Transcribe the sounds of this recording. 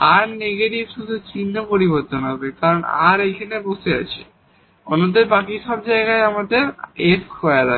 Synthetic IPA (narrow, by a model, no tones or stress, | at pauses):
aɾneɡeʈibʃud̪ʱut͡ɕinːopoɾiboɾt̪onɦɔbekaɾona̰ɾejkʰaneboʃea̰t͡ɕʰe | onːod̪eɾbakiʃɔb̚d͡ʑaeɡaeamad̪eɾeskʰɔeaɾa